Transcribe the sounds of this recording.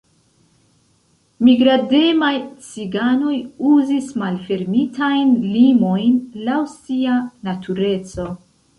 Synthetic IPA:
miɡɾade̞majt͡siɡano̞juzismalfe̞ɾmitʰajnlimo̞jnlawsianatʰuɾe̞t͡so̞

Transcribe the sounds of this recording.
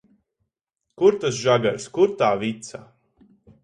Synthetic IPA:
kuɾt̪asʒaɡaɾskuɾt̪aːvit̪sa

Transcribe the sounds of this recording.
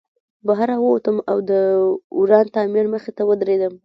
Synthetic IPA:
baɦaɾawəwot̪əmawd̪əuɾɑnt̪ɑmiɾməxet̪awəd̪ɾed̪əm

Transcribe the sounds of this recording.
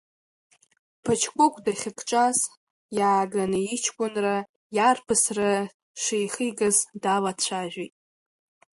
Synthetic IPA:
pʰat͡ʃʰkʷʼʊkʷʰʼdaχʲɪkʰʼʈ͡ʂʼaz | jaːɡanɨit͡ʃʰkʷʼʊnra | jarpʰɨsra | ʂejχiɡɨzdalat͡ɕʷʰaʒᶣʷitʼ

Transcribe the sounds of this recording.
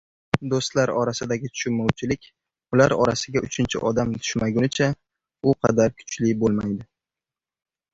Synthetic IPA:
d̪ost̪laɾɒɾasɪd̪aɡʲɪt̪ʰʊ̥ʃʊnmɒwt͡ʃʰɪlɪkʲ | ʊlaɾɒɾasɪɡʲaʔʊt͡ʃʰɪnt͡ʃʰɪ̰ʔɒd̪amt̪ʰʊ̥ʃmaɡʲʊnɪt͡ʃʰa | ʊqʰɑ̰d̪aɾkʰʊ̥t͡ʃʰlɪbolˠmajd̪ɪ

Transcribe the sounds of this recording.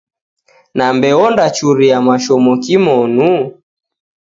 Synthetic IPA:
nambɛɔndat͡ʃuɾiamaʃɔmɔkimɔnu

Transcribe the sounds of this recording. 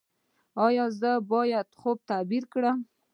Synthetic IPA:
ɑjɑzəbɑjad̪xob̚t̪abiɾkɽəm

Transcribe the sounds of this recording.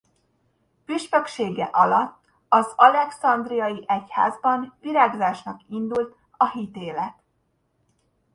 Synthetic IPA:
pyʃpøkʃeːɡɛ̰ʔɒlɒt̪ː | ɒzɒlɛksɒnd̪rijɒjiʔɛcha̰ːzbɒnviɾaːɡzaːʃnɒkind̪ult̪ | ɒɦit̪eːlɛt̪

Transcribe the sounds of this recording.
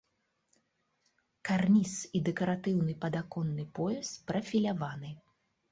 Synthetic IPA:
karnʲisid̪ɛkɐɾat̪ɨwnɨpɐd̪akɔnːɨpɔjɛspɾɐfʲilʲavanɨ

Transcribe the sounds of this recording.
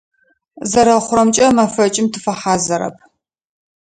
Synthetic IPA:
zɐɾɐχʷʊrɐmt͡ʃʼɐmɐfɐt͡ʃʼɪmtʰɨfɐħaːzɐɾɐ̰p̚ʰ

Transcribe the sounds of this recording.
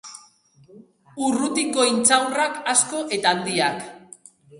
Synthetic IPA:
urut̪ikːo̞int͡sawrakasko̞ʔe̞t̪aːnd̪iak

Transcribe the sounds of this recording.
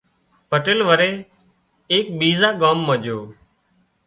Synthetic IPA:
pəʈeːlʋəɾeː | eːk̚ɓiːzaːɡaːmːə̃ːd͡ʒoː

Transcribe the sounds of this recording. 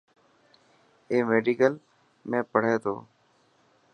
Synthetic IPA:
eːmeːɖiːkəl | mẽːpəɽ̤eːt̪o̰ː

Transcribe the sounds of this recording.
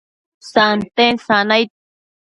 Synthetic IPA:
sant̪ensanajt̪̚

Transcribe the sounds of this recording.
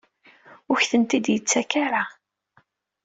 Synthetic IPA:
ʊçθənt̪id̪jət͡sːækaɾa

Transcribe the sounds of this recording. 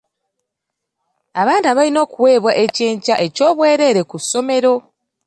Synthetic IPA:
aβaːndiaβalino̞ːkuwe̞ːβwaʔe̞ceːɲcaʔe̞co̞ːβwe̞ːɾe̞ːɾe̞kuso̞me̞ɾo̞

